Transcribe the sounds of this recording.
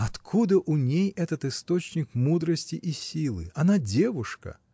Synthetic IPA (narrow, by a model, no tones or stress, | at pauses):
ɐt̪kʰud̪əʔʊnʲejɛt̪ət̪ɨst̪ot͡ɕnʲɪkmud̪ɾəsʲtʲɪʔisʲilˠɨ̰ɐnadʲevʊʂkə̰